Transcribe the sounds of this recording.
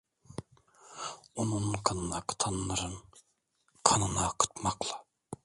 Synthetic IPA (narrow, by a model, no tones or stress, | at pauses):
onuɴkʰɑnɯnɑqʰɯ̥t̪ʰɑnːɯɾɯn | kʰɑnɯnɑqʰɨ̥t̪mɑqlˠɑ